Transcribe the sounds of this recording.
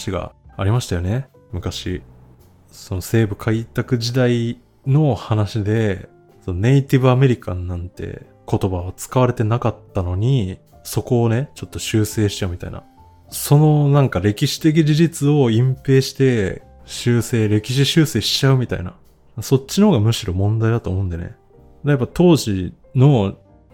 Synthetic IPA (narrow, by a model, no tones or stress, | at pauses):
ɕiɡa̰aɾʲimaɕi̥t̪ajo̞ne̞ | mɯ̟kaɕi | so̞no̞se̞ːbɯ̟kʰait̪akɯ̟ʑid̪ai | no̞hanaɕid̪e̞ | so̞none̞it̪iβɯame̞ɾʲikãnːãnt̪ḛ | ko̞t̪o̞baβat͡sɨ̥kaβaɾe̞t̪e̞nakat̪ːano̞ɲ̟i | so̞ko̞ːne̞t͡ɕo̞t̪ːo̞ɕɨːse̞ːɕi̥t͡ɕaɯ̟mʲit̪a̰ḭna̰ | so̞no̞nãŋkaɾe̞kʲiɕi̥t̪e̞k̬ʲid͡ʑiʑit͡sɨo̞ĩmpe̞ːɕi̥t̪e̞ | ɕɨːse̞ːɾe̞kʲiɕ̬iɕɨːse̞ːɕi̥t͡ɕaɯ̟mʲit̪a̰ḭna̰ | so̞t͡ɕt͡ɕːinohoːɡamɯ̟ɕiɾo̞mõ̞nd̪aid̪at̪o̞ːmoɯ̃nd̪enḛ | d̪ajapːat̪o̞ːʑi | no̞